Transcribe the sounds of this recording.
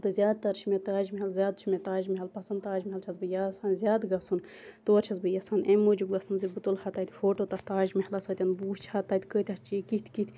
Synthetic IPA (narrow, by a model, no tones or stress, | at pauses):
t̪ɨzʲjaːd̪̚t̪ɐɾt͡ʃʰimet̪aːd͡ʒmiɦɐlzʲjaːd̪̚t͡ʃʰimet̪aːʒmiɦɐlpɐsɐnd̪̚t̪aːʒmiɦɐlt͡ʃʰɐzbɨjaːsaːnzʲjaːd̪ɡɐsun | t̪oːɾt͡ʃʰɐzbɨjɐsaːnʔemːoːd͡ʒubɡɐsɨnzibɨt̪olhɐt̪ɐːt̪ʲfoːʈot̪ɐht̪aːʒmihɐlɐsɐt̪ʲɐnbuːst͡ʃʰhɐt̪ɐːt̪ʲkəːt̪ʲɐt͡ʃiːkit̪ʰkit̪ʰʲ